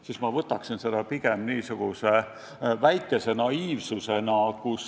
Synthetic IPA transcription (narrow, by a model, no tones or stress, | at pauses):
sismɑvɤt̪ːˑɑksinse̞d̪̥ɑpiɡ̥emniːsuɡ̥use | væjkːˑe̞se̞nɑiːvsuse̞nɑkus